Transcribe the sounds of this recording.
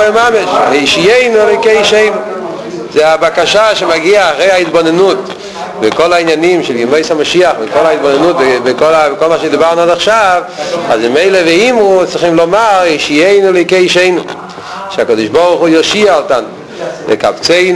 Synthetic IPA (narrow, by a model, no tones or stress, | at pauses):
mameʃheʃijeɪnulokeiʃeɪnu | zeabakaʃaʃemaɡiaːχʁejhaitbonenut | vɪkolainjanimʃɛljɪmoɪshamaʃiaχvɪkolait̪̚bonenutvvɪkolakolmaʃed̪ibaʁnuodaχʃav | azmɪmeɪlevɛimʁut͡sʁiχimlomaʁeʃijeɪnulejkeiʃeɪnu | ʃeakod̪ɪʃboʁχujɔʃiaɔtan | vɛ̰ka̰pt͡seɪ